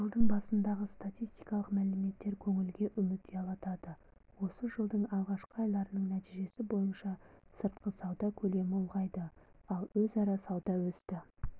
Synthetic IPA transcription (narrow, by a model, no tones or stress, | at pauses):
ʒəlˠd̪əɴbɑsənd̪ɑʁəst̪at̪ʲijst̪ijkɑlˠəqmælɪme̞t̪ːe̞ɾkʲʰɵŋɪlɡʲe̞ʔʏmɪt̪̚d̪eɑlˠɑt̪ɑd̪ə | wo̞səʒəlˠd̪əɴɑlˠʁɑʃqəɑjlˠɑɾənəɴnæt̪iʒe̞sɪbo̞jənʃɑsəɾt̪̚qəsɑwd̪ɑkʲʰɵle̞mɪulˠʁɑjd̪əɑlˠwɵzɑɾɑsɑwd̪ɑwɵst̪ɪ